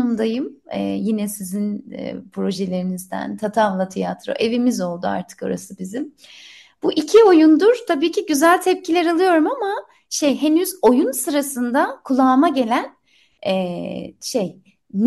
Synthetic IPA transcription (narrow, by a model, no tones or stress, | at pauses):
umd̪ajɯmɛ̰ːjinɛsizinɛ̰pʰɾo̞ʒelʲe̞ɾinizd̪æ̰nt̪ʰat̪ʰavlˠat̪ʰijat̪ʰɾo̞̰ʔe̞vimizo̞lˠd̪ua̰ɾt̪ʰɯ̥ko̞̰ɾa̰sɯbizim | b̥uʔicʰio̞jund̪uɾ̥t̪ʰabiːcʰiɟyzælʲt̪ʰɛp̚cʰilʲɛɾalˠɯjo̞ɾumama | ʃejɦe̞nyzo̞junsɯɾasɯnd̪akʰulˠaːmaɟe̞lʲæn | ɛʃej | n